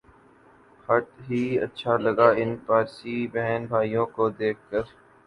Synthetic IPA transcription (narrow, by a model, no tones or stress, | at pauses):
hɐʈɦiːɐ̰tːʃʰalɐɡaɪnpaːɾsibɛɦɛnbʱaːijõkod̪eːk̚ʰkəɾ